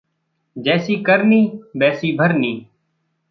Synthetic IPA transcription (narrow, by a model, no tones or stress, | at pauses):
d͡ʒɛːsiːkəɾniːbɛːsiːbʱəɾniː